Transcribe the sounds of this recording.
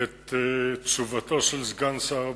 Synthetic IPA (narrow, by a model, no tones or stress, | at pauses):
et̪t͡ʃuvat̪oʃelzɡansa